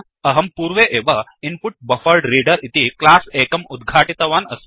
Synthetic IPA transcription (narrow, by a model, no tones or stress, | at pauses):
ɐɦɐmpuːɾʋeʔeːʋɐinpuʈ̚bɐfəɾɖɾiːɖəɾit̪iklaːseːkɐmud̪ɡʱaːʈit̪ɐʋaːnɐs